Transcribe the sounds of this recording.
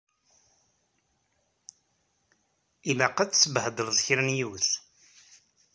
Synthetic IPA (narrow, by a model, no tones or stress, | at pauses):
imæqət͡sːsəbhəd̪ˤəlðˤçɾənjuθ